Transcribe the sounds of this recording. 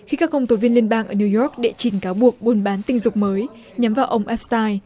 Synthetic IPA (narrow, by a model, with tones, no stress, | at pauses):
xi˧kaː˦˥kːə˧wŋ͡mt̪o˨˦vi˧nli˧ənɓaː˧ŋʔəː˧˩ni˧wjɔ˦˥k̚ɗḛ˧˨t͡ɕi˨˩nkaː˨˦wɓu˨˩ək̚ɓo˨˧˩nɓaː˨˦nt̪ï˧ŋ̟zʊ˨˩k͡p̚məː˨˦j | ɲa˨˦mvaː˨˩wʔə˧wŋ͡mʔɛ˦˥p̚st̪aː˧j